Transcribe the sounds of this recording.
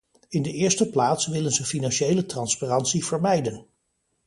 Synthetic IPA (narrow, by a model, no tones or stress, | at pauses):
ɪndəʔɪːɹstəplaːtsʋɪlənzəfinɑnʃejlətrɑnsparɑntsiv̥əɹmɛjdən